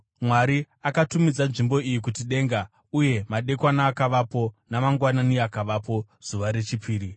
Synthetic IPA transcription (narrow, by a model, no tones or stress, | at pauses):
mwaɾi | akatumid͡zanʐimbo̞ijik̬utiɗe̞ːŋɡa | uje̞maɗe̞kwanaːkaʋapo̞namaŋɡwananiakaʋapo̞ | z̥uʋaɾe̞t͡ʃipʰiːɾi